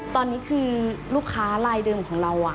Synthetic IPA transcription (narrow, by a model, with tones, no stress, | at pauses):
t̪ɔː˧nːiː˦˥kʰɯː˧luː˥˩kʰːaː˦˥laː˧jdɤː˧mkʰɔː˩˦ŋɾa˧wa˨˩